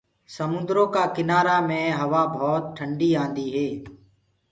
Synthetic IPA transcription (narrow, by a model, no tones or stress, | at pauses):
səmʊ̃nd̪ɾõːkaːkɪnaːɾaːmẽːɦəʋaːbʱɔːt̪̚ʈʰəɳɖiːãːnd̪iːɦeː